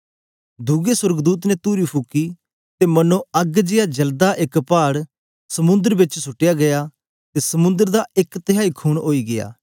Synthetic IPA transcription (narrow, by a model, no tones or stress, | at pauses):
d̪uɡeswəɾɡd̪uːt̪net̪uːɾipʰʊkːi | t̪emɐnõɐɡd͡ʒɪjad͡ʒɐld̪aʔɪkpaːɽ | sɐmʊ̃nd̪əɾbɪt͡ʃsʊʈːɪjaɡɐjaː | t̪esɐmʊ̃nd̪əɾd̪aɪkt̪ɪɦaːikʰuːɽ̃oːiɡɪja̰ː